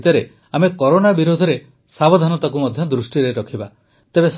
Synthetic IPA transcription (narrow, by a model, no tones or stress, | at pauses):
t̪ɔɾe | amekɔɾonabiɾud̪ʱɔɾe | sabɔd̪ʱanɔt̪ak̬umɔd̪ʱjɔd̪ɾusʈiɾeɾɔkʰiba | t̪ebes